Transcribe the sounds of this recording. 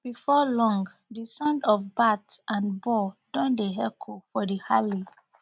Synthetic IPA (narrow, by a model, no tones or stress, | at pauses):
b̥ifɔlɔ̃ŋɡ | disãndɔfbatʔãnbɔdɔ̃ndeɦɛkʰofɔdihali